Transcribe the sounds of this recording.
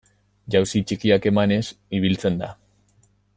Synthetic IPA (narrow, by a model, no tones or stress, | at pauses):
ʝawsit͡ʃikiake̞mane̞siβ̞ilt͡se̞nd̪a̰